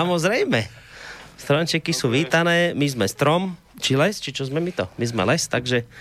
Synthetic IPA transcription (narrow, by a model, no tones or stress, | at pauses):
amɔzɾɛjmɛ | st̪ɾɔnt͡ʃɛkisuːʋiːt̪anɛːmizmɛst̪ɾɔm | t͡ʃilɛst͡ʃit͡ʃɔzmɛmit̪ɔmizmɛ̰lɛst̪aɡʒɛ